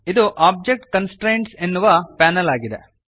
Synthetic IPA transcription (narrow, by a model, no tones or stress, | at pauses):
id̪uʔaːb̚d͡ʒek̚ʈkɐnsʈɾejɳɖsenːuʋɐpaːnɐlaːɡid̪ḛ